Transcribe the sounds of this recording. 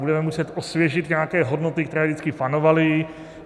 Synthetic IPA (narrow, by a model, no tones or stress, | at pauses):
budɛmɛmusɛt̪ʔosvjɛt͡ʃɪt̪ɲɛakɛːɦo̞dnot̪ɪkt̪ɛɾɛːdɪt͡skɪpanovalɪ